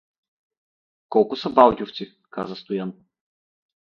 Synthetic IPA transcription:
kɔlˠkʊsɐbalˠɡʲoft̪si | ka̰zəst̪ʊjan

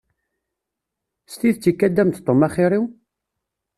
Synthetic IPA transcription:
st̪iðt͡sːikːæd̪ːæmt̪t̪ˤːomaχiɾˤiw

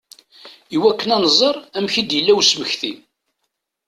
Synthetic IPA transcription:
iwækːənænzˤəɾˤæmçid̪jəlːæwsməçθim

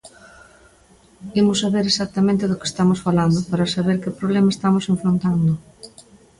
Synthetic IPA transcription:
imʊsːaβeɾesak̚t̪ɐmẽnt̪ɪðʊke̥st̪amosfaland̪ʊpaɾɐsaβeɾkɪpɾoβlɛmaest̪amoseɱfɾont̪and̪ʊ

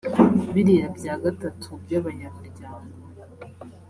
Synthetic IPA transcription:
βiɾiɾabɟaːɡatatʰubɟaβaɲaβuɾɟaːŋɡo

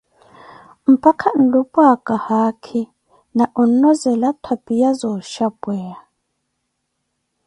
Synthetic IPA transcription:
m̩pʰʼakʰan̩dupʼwakʼahakʰi | naʔun̩nɔzɛlatʰwapʼijazɔʃabwɛːa

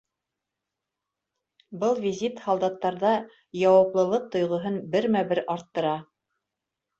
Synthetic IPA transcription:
bɤlˠvʲizʲit̪hɑlˠd̪ɑt̪ːɑɾðɑ | jɑwɑplˠɤ̆lˠɤq̚t̪ŏjʁɤ̆ɦɤnbɘɾmæbɘɾɑɾt̪ːɤ̆ɾɑ

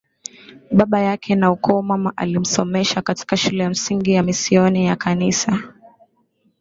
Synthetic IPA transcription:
ɓaɓajakʰɛnaukʰɔːmamaʔa̰lim̩sɔmɛʃakati̥kaʃulɛjam̩siŋɡijamisiɔnijakʰanisa

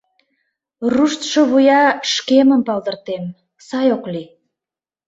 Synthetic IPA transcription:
ruʃt̪ʃoβujɑʃkeməmpɑld̪ə̆rt̪em | sɑjokli

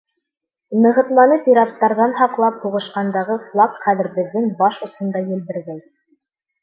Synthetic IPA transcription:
nɤ̆ʁɤ̆t̪lˠɑnɤpiɾɑt̪ːɑɾðɑnɦɑqlˠɑp̚huʁɤ̆ʃqɑnd̪ɑʁɤflˠɑkχæðɘ̆ɾbɘ̆ðːɘŋbɑʃŏsɤ̆nd̪ɑjɘ̆ld̪ɘ̆ɾɡæj

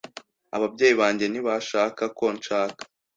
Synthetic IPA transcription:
aβab̚ɟe̞ːjiβaːɲɟe̞niβaʃaːkako̞nt͡ʃaːkḁ

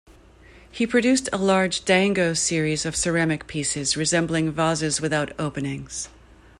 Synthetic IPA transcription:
hipʰɹ̥ɨdʉstʰəlɑɹd͡ʒdæ̃ŋɡoʊsɪɹizʌv̥sə˞ɛmɨk̚pʰisɪzɹɨzɛ̃mbl̩ˠɪ̃ŋvɑzɨzwɨθaʊɾoʊpɨnɪ̃ŋz̥

